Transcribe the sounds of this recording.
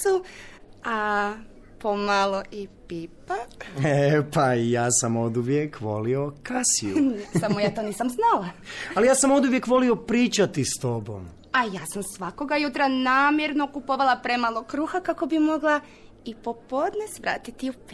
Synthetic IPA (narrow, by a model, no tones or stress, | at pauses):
su | a | pomalˠo̞ʔipipaepajaːsamo̞d̪uʋjekʋo̞̰lio̞kasijusamojaːt̪o̞ːniːsamznalaalijaːsamo̞d̪uʋjekʋo̞lio̞pɾiːt͡ʃat̪ist̪o̞bo̰m | ajaːsamsʋako̞ɡajut̪ɾanaːmjeɾno̞kupo̞ʋalˠapɾemalˠo̞kɾuːxakako̞bimo̞ɡlˠa | ipo̞po̞d̪nesʋɾa̰ːt̪it̪iup